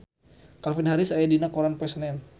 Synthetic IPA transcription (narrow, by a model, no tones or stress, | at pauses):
kalfinɦaɾɪsajadinakɔɾanpɛsənɛn